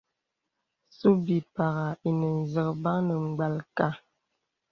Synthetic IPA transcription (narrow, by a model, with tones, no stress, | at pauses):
su˦bi˨pa˨ɣa˨i˨nə˨n̩˨zə˨kba˦ŋnə˨ŋ͡m̩˨ɡ͡ba˨lka˦